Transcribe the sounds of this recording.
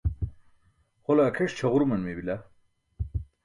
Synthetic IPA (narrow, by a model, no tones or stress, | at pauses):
χolaːkʰeʂt͡ɕʰɐʁuɾmɐnmebila